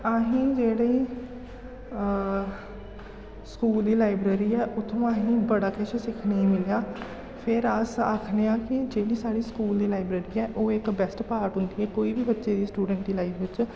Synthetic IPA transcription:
aːɦĩːd͡ʒeːɽeː | skuːld̪iːlaːɪbɾeːɾiːɛːʔʊt̪ʰːõːaːɦĩːbəɽaːkɛːʃəsɪkʰneĩːmɪlejaː | pʰɪɾəsa̰ːkʰneːãːkɪd͡ʒeːɽiːsaːɽiːskuːld̪iːlaːɪbɾeːɾiːɛːʔoːɪkbɛsʈpaːɾʈɦʊ̃nd̪iːɛːkoːiːbiːbətːʃeːd̪iːsʈuːɖə̃ɳʈd̪iːlaifʋɪt͡ʃ

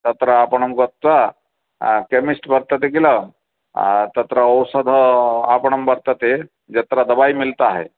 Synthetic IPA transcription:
t̪ɐt̪ɾəapəɳəmɡɔt̪wa | kemisʈbəɾt̪ət̪ekiləm | t̪ɐt̪ɾəːwsəd̪ʱəapəɳɐmbəɾt̪ət̪e | d͡ʒɐt̪ɾad̪ɐbajmilt̪aɦḛ

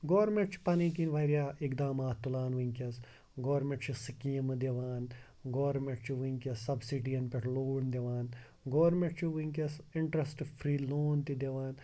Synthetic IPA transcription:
ɡoːɾmeɳʈt͡ʃʰi̥pɐniːkinʋɐiɾjaːʔɪkd̪aːmaːt̪t̪ːulaːnʋiŋkɐs | ɡoːɾmẽɳʈt͡ʃʰisikiːmɨd̪eʋaːn | ɡoːɾmẽɳʈt͡ʃʰiʋiŋkɐsɐbsiʈiɐnpeʈʰloːnd̪eʋaːn | ɡoːɾmẽɳʈ̚t͡ʃʰiʋiŋkɐsɪɳʈɾɐsʈfʰɾiːloːnt̪id̪ɐʋaːn

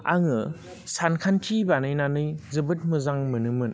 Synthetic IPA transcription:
a̰ŋɯ | sankʰantʰibanɯjnanɯjzɯbɯt̚mɯzaŋmɯnɯmɯn

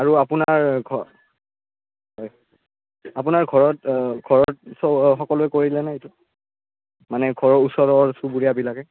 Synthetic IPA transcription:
aɹuapunaɹɡʱɔ | ɦɔj | ap̬unaɹɡʱɔɹɔtɡʱɔɹɔt̚sɔxɔkɔlʊɛkoɹilɛnaetu | manɛɡʱɔɹɔɹusɔɹɔɹsubuɹijabilakɛ

